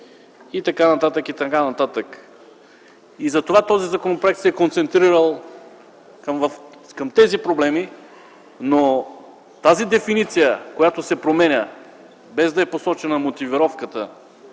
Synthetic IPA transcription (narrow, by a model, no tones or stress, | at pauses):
it̪ɐkanɐt̪at̪əkit̪ɐkanɐt̪at̪ək | izɐt̪ovat̪ɔzizɐkonopɾoɛk̚t̪sɛkont̪sɛnt̪ɾiɾəlˠ | kmvfkɐmt̪ɛzipɾoblɛmi | no | t̪azid̪ɛfinit̪sijəkojat̪osɛpɾomɛnʲə | bɛzd̪ɐɛposɔt͡ʃɛnɐmot̪iviɾɔfkət̪ə